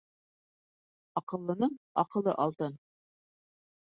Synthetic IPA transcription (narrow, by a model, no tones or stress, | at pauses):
ɑqɤ̆lˠːɤ̆nɤɴɑqɤ̆lˠːɤ̰ʔɑlˠt̪ɤn